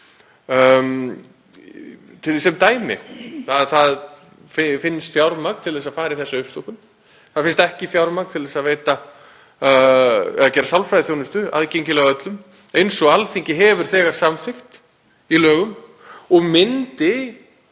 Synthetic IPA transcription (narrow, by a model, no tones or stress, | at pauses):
t̪ʰɪsɛmt̪aːjmɪ̰θaðθað | fɪfɪnːst̪fjawɾmak̚n̥t̪ʰɪlθɛsaðfaːɾɪiθɛsːaʏhpst̪okʏm | θaðfɪnst̪ɛhcɪθjawɾmakt̪ʰɪlðɛsaðveːjt̪a | ɛ̰ðacɛːɾasawlfɾajðɪθjownʏst̪ʏa̰ðcejɲcɪlɛɣaœt̪lʏm | ejnsɔɣalfiɲcɪɦɛvʏɾ̥θɛːɣaɾ̥samfɪxt̪ | ilœːɣʏm | ɔɣmɪnt̪ɪ